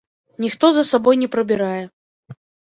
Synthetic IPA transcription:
nʲixt̪ɔzɐsabɔjnʲɛpɾɐbʲiɾajɛ

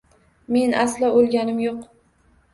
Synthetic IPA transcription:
me̞nʔaslaolˠɡʲanɪmjoq

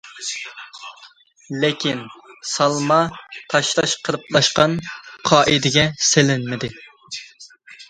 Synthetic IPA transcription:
lɪkʲʰinsɑlˠmɑt̪ʰɑʃlˠɑʃqʰəlˠəplˠɑʃqɑnqʰɑːʔid̪ɪɡʲɛsɪlɪnmɪd̪ɪ

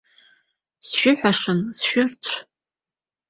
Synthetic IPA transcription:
sʃʷᶣʊħʷᶣaʂɨnsʃᶣʊrt͡ɕʷʰ

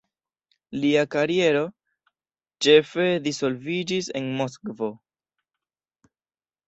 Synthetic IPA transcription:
liakaɾie̞ɾo̞ | t͡ʃe̞fe̞diso̞lvid͡ʒise̞nmoskvo̞

